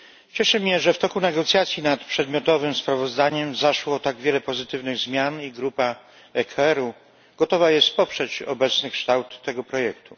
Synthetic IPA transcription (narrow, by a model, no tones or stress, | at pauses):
t͡ɕɛʂɘmɲɛʐɛft̪ɔkunɛɡɔt̪sʲjat̪sʲjinat̪pʂɛd̪mʲjɔt̪ɔvɘmspɾavɔzd̪aɲɛmzaʂwɔt̪aɡvʲjɛlɛpɔzɘt̪ɘvnɘɣzmʲjaniɡɾupa | ɛkʰaɛɾu | ɡ̥ɔt̪ɔvajɛst̪pɔpʂɛt͡ɕɔ̰bɛt̪snɘkʂt̪awt̪ːɛɡɔpɾɔjɛkt̪u